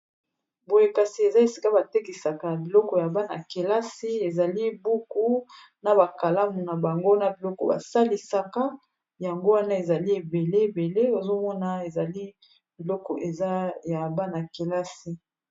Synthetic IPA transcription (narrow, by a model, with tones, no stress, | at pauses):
bo˨je˨ka˨si˨e˨za˦e˨si̥˨ka˦ba˨te˦ki˨sa˨ka˨bi˨lɔ˦kɔ˨ja˨ba˦na̰˨ke˨la˦si˦e˨za˨li˦bu˦ku˦ | na˨ba˨ka˨la˦mu˨na˨ba˨ŋɡo˦na˨bi˨lɔ˦kɔ˨ba̰˨sa˦li˨sa˦ka˦ | ja˨ŋɡo˦wa˦na˦e˨za˨li˦e˨be˨le˦e˨be˨le˦o˨zo˦mɔ˦na˨e˨za˨li˦ | b̥i˨lɔ˦kɔ˨ʔe˨za˦ja˨ba˦na˨ke˨la˦si˦